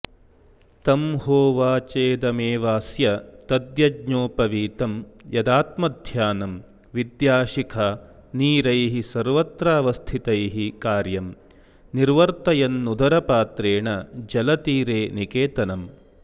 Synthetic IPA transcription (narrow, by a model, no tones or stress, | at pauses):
t̪ɐmhoːʋaːt͡ʃeːd̪ɐmeːʋaːsjɐt̪ɐd̪jɐɡɲoːpɐʋiːt̪ɐmjɐd̪aːt̪mɐd̪ʱjaːnɐm | ʋid̪jaːʃikʰɐ | niːɾɐjɦisɐɾʋɐt̪ɾaːʋɐst̪ʰit̪ɐjɦikaːɾjɐm | niɾʋɐɾt̪ɐjɐnːud̪ʱɐɾɐpaːt̪ɾeːɳɐd͡ʒɐlɐt̪iːɾeːnikeːt̪ɐnɐm